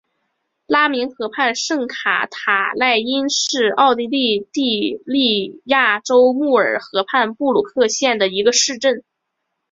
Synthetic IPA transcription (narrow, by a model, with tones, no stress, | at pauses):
la˥mi˧˥ŋxɤ˧˥pʰa˥˧nʂɤ˥˩ŋkʰa̰˧˩t̪ʰa˨˩la˥˩ɪi˥nʂɻ̩˥˧ɑ˥˩ʊt̪i˥li˥˧t̪i˥˧li˥˧ja˥˩ʈ͡ʂo˥ʊmu˥˩ə˞˨˩xɤ˧˥pʰa˥˧npu˥˩lu˨˩kʰɤ˥˧ɕjɛ˥˩nd̪ə˩i˧˥ɡə˧ʂɻ̩˥˧ʈ͡ʂə˥˩n